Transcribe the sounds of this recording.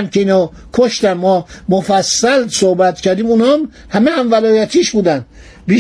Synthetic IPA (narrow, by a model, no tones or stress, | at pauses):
mkʰeiːno | kʰoʃt̪æmmɔːmofæsːælsohbæt̪cʰæɾd̪iːmunhɒːm | hæmehæmvælɒːjæt̪ʰiːʃbuːd̪ænd̪ | biː